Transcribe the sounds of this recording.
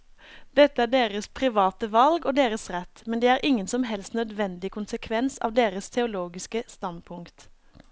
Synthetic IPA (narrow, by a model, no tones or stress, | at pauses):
d̪̥ɛt̪ːəæːɖeːʁəspʰʁɪʋɑːt̪əʋɑlɡoːd̪eːʁəsʁɛt̪mɛnd̪eːæːʁʔɪŋːənsɔmɦɛlst̪nœd̪ʋɛnd̪ɪkʰʊnsəkʰʋɛnsɑ̰ːʋd̪eːʁəst̪ʰɛʊloːɡɪskəst̪ɑnd̪̚pʰʊŋkt̪